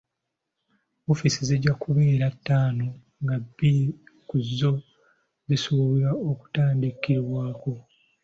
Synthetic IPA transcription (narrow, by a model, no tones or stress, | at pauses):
ofisiziɟːakuβe̞ːɾatːaːno | ŋɡabikuzːo̞ | zisuβiɾaoku̥taːndikiɾwaːko̞